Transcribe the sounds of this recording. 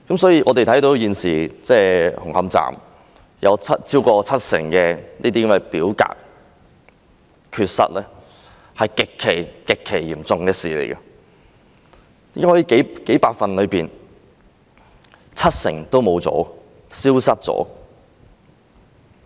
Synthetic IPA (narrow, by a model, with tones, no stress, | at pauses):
kɐ˨˥msɔː˨˥jiː˧ʔɔː˧t̪e˨t̪ʰjt̪o˨˥wjiː˨nsiː˨˩t͡sɛː˧hʊ˨˩ŋhɐ˨˧˥mt͡sa̰ː˨˩m | jɐ˨˧wt͡sʰɐ˥tt͡siː˥wkɔː˧t͡sʰɐ˥t̚sɪ̰˨˩ŋkɛː˧niː˥t̪iː˥kɐ˧˥mɐ˨˩jpiː˨˥wka̰ː˧˨k̚ | kʰyː˧t̚sɐ̰˥t̚lɛː˥ | hɐ˨jkɪ˨kʰːe˨˩jkɪ˨kʰːe˨˩jjiː˨˩mt͡sʊ˨ŋkɛː˧siː˨lḛ˨˩jkɐ˧ | t̪iː˨˥kaː˥hɔː˧˥i˧ke˨˥jke˨˥jpaː˧k̚fɐ˨nlɵ˨˧ɥpiː˨n | t͡sʰɐ˥t̚sɪ̰˨˩ŋt̪o˥wmo˨˧wt͡sɔ̰ː˨˥ | siː˥wsɐ˥t̚t͡sɔ̰ː˨˥